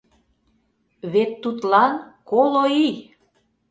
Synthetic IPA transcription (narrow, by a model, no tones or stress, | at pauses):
βet̪ːut̪lɑnkoloi